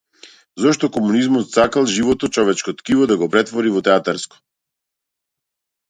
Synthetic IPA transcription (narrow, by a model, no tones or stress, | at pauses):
zɔʃt̪ɔkɔmunizmɔt̪sakalˠʒivɔt̪ɔt͡ʃɔvɛt͡ʃkot̪kivɔd̪aɡɔpɾɛt̪vɔɾivɔt̪ɛat̪aɾsko̥